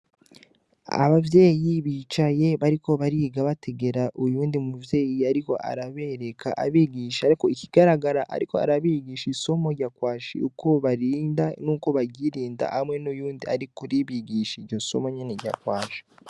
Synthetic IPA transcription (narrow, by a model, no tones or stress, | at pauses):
a̰βavje̞ːjiβiːt͡ʃaje̞βaɾiko̞βaɾiɡaβatʰe̞ɡe̞ɾaʔujuːndimuuvje̞ːjiaɾiko̞ʔa̰ɾaβe̞ɾe̞kʰaʔa̰βiɡiʃaaɾiko̞iciɡ̥aɾaɡaɾaʔa̰ɾiko̞a̰ɾaβiɡiːʃiso̞mo̞ɟakwaːʃḭukʰo̞βaɾiːndanuːko̞βaɟiɾiːnda̰hamŋe̞nujuːndiaɾikuɾiβiɡiʃiɾɟo̞so̞̰mo̞ɲeneɟa̰kwaːʃi̥